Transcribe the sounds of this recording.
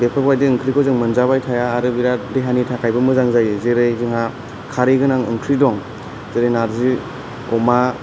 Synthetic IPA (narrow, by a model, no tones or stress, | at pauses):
bepʰɯajdiɯŋkʰɾikʰɔzɯŋmɯnzabajtʰajaːɾɯbiɾadeɦanitʰakʰajbɯmɯzaŋzajɯzeɾɯjzɯŋɦa | kʰaɾiɡɯnaŋɯŋkʰɾidɔŋ | zeɾɯjnaɾzi | ɔma